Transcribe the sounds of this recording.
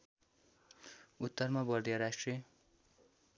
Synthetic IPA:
ut̪ːʌrmabʌrd̪jʌɾasʈriʌ

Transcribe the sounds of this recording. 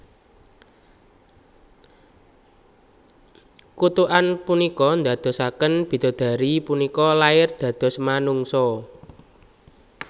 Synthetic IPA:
kut̪uʔanpunikɔnd̪ä̤d̪̥ɔ̤sakənb̥i̤d̪̥o̤d̪̥ä̤ɾipunikɔlaɪrd̪̥ä̤d̪̥ɔ̤smanuŋsɔ

